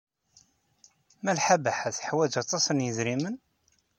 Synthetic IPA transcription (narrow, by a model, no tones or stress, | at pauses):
mælħabaħæθə̥ħwæd͡ʒɑt̪ˤːɑsənjəzɾimən